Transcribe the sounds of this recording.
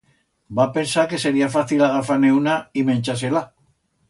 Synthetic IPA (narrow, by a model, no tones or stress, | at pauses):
bape̞nsake̞se̞ɾiafaθilaɣafane̞unaimẽ̞nt͡ʃas̬ela